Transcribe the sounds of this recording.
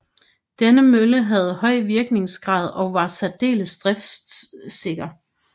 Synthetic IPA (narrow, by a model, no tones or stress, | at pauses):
d̥enəmøləɦæð̞̩ˠhɒ̽ɪ̰ʋiɐɡ̥ne̝ŋsɡ̥ʁɑ̰̈ːð̞̰ˠɒ̽ʋɑ̈sæd̥e̝̰ːləsd̥ʁɛf | se̝ɡ̥ɐ